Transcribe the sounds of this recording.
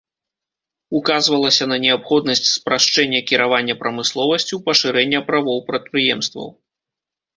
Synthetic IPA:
ukazvɐlˠɐsʲɐnɐnʲɛapxɔd̪nɐsʲt͡sʲspɾaʂt͡ʂɛnʲːɐkʲiɾavanʲːɐpɾɐmɨslˠɔvɐsʲt͡sʲiwpɐʂɨɾɛnʲːɐpɾavɔwpɾɐt̪̚pɾɨjɛmst̪vɐ̰w

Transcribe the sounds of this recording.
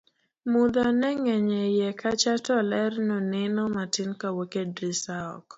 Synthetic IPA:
mud̪ɔnɛŋɛɲɛjɛkʰat͡ʃatɔlɛɾnonɪnɔmatɪnkawokedɾisaɔ̰k

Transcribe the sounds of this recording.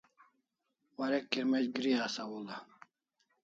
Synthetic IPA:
waɾekːiɾmed͡ʑɡɾiasawula

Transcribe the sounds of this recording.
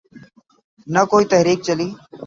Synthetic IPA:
nəkoːiːt̪əɦɾiːk̚t͡ʃəliː

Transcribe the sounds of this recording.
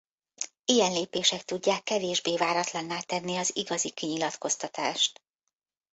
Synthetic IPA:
ijɛnleːpeːʃɛk̚t̪uɟːaːkːɛveːʒbeːvaːɾɒt̪lɒnːaːt̪ɛnːiɒziɡɒzikiɲilɒt̪ko̞st̪ɒt̪a̰ːʃt̪

